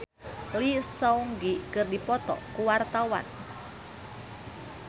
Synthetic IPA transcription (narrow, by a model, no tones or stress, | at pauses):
lisɔuŋɡikɨrdipɔt̪ɔ̰kuwart̪awa̰n